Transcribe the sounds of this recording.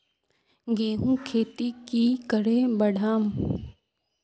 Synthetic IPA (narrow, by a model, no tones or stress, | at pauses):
ɡeːɦũkʰeːt̪ikikəɽebɐɽʱaːm